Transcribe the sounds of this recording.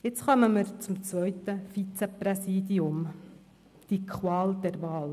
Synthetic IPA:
jɪt͡sχɑməməɾt͡sʊmt͡svœʏt̪əfit͡sɛprɛsiːd̪iʊm | d̪̥ikʰχwɑːld̪ɛɾʋɑːl

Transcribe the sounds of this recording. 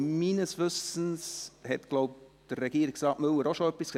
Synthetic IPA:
minəsʋʏsən̩shɛtɡ̥loʊp̚d̥ərːɛɡiːəɾɪksɑːʔmɵləɾoʃoœpːisks

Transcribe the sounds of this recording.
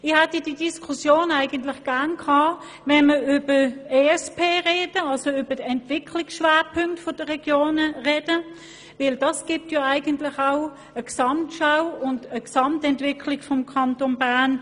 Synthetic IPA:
ɪχhɛtəd̥iːdiskʰusjoːnaɪɡəntlɪχɡ̥æɐnkʰhɑː | vɛnməʏbəeːɛspʰeːʁeːd̥əɑlsoybɐdɛntvɪkʰlɪksʃʋaːɐpʰʏŋktfod̥əʁɛɡ̥joːnəʁɛd̥ə | vɪld̥ɑsɡ̥ip̚tjɑaɪɡəntlɪχaʊ | əksɑmtʃaʊʊndəksɑmtɛntv̥ɪkʰlɪkfɔmkʰɑntonbaːɐn

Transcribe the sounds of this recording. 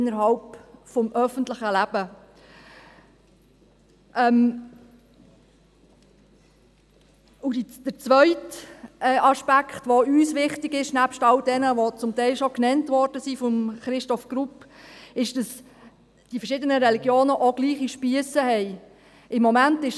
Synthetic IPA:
ɪnːəɾɦɑlpfɔmʔœfəntləχəlæb̥ə | ʔɛm | udd̥əɾt͡sʋœʏtɛʔɑʃpækχtʋoyːsʋɪχtɪɡɪʃnæpʃtɑldɛnəʋot͡sʊmtɛɪlʃɔknɛntʋɔɾd̥əsifɔmχɾɪʃtɔfɡ̥ɾupːɪʃd̥ɑs | d̥ifəɾʃɪdənəɾɛliɡjoːnəʔoɡliːχiʃpiəsəhɛɪ | ɪmːɔmæntɪʃ

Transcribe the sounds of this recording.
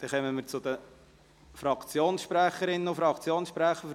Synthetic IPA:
d̥ɛχœmənmiːɾt͡sʊd̪ə | fɾɑkt͡sjoːnsʃpɾæχəɾɪnənofɾɑkt͡sjoːnsʃpɾæχə

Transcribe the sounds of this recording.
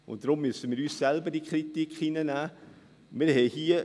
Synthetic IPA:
ʊ̰nt̚d̥ɾʊmːysənmiːɾyːssɛlbədiəkɾitikχinənæː | mɪːɾɦɛjhiə

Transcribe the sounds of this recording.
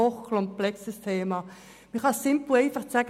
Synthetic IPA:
oχkʰlɔmplɛksəstʰeːmɑ | miχɑsɪmpl̩eɪfɑχt͡sæɡə

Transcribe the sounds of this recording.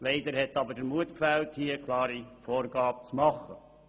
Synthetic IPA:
leɪd̪əɾhɛt̪ɑbədəɾmuətkfælthiəkʰlɑːɾifoːrɡɑːb̚t͡smɑχə

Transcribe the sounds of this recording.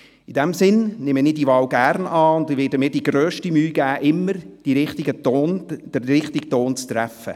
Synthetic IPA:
id̥ɛmsɪnnɪməniːdiʋɑːwɡæɾnɑːʊndɪʋɪːdəmɪt̚d̥iɡ̥ɾøːʃtimyːɡ̥æːʔɪmːəɾd̥iɾɪχt̪ɪɡənd̥əːɪχt̪ɪk̚toːnt͡st̪ɾæfə̰

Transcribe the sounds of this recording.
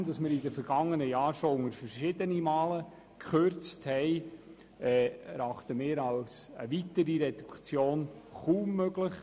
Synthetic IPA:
mdɑsmɪːɾidəfəɾɡ̥ɑŋːənəjɑːɾʃoʊŋəɾfəɾʃɪdənimɑːlə | kχøɾt͡sthɛɪ | ɛːɛɾɑχtəmɪːɾɑlsə̰ʋitəɾiɾɛd̥̪ukt͡sjoːnχuːmːøɡləχ

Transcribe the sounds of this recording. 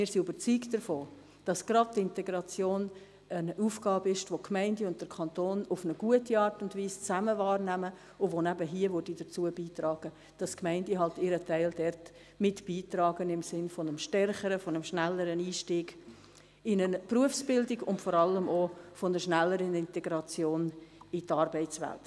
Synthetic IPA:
mɪːɾsiyb̥ət͡syːkd̥əɾfoː | d̥ɑsɡ̥ɾɑd̚tɪntɛɡɾɑt͡sjoːn | ənuːfɡ̥ɑːbəɪʃtʋokʰmæɪndiʊnt̚d̥əɾkʰɑntoːnʊfnəɡ̥uətiɑːɾtʊndviːst͡sæməvɑːɾnæmə | ʊvonæbəɦiəvʊdid̥ət͡suəbiːtɾɑːɡ̥ə | d̥ɑskmæɪndiɦɑltɪɾətæɪldɛrt | mɪtb̥iːtɾɑːɡənɪmsɪnfonəmʃtɛrχəɾəfɔnəmʃnælːəɾəniːʃtiːɡ | ɪnəpruəfsb̥ɪldiɡʊntfɔɾɑləmofonəʃnælːəɾənɪntɛɡɾɑt͡sjoːnɪtɑɾbɛɪt͡svɛ̰lt

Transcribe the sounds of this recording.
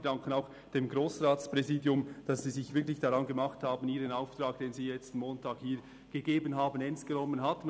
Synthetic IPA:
d̥aŋkənaʊx | d̥eːmɡɾoːsʁaːtspʁɛziːdjʊmd̥ɑsz̥iːzɪçv̥ɪɐklɪçd̥aɾɑnɡemaχthaːbən̩iːɾənaʊftraːk̚d̥eːnziːjɛt͡stn̩moːntʰaːkhiː | ɡ̥əɡeːbənɦaːbənɛnst̚ɡ̥ənɔmːənɦatm

